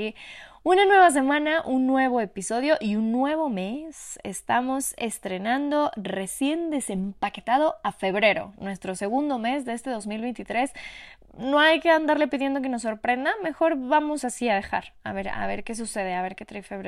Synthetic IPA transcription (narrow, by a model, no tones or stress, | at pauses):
unanwe̞βas̬e̞mãnaʔunːwe̞β̞o̞episo̞ðjo̞ʔiunːwe̞βome̞sḛst̪amo̞se̞st̪ɾe̞nãnd̪o̞re̞sje̞nd̪e̞se̞mpaket̪að̞o̞afe̞βɾe̞ɾo̞̰nwe̞st̪ɾo̞se̞ɣund̪o̞me̞zðe̞est̪e̞ðo̞zmilβejnt̪it̪ɾe̞s | no̞ajke̞and̪aɾle̞piðje̞nd̪o̞k̬e̞nos̬ːo̞ɾpɾe̞nd̪ame̞xo̞ɾβamo̞sasiaðe̞xa̰ɾa̰βe̞ɾa̰βe̞̰ɾke̞s̬use̞ð̞eaβe̞ɾket̪ɾajfeβɾe